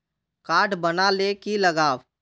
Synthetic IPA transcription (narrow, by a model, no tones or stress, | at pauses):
kaːʈbənalekiləɡaːʋ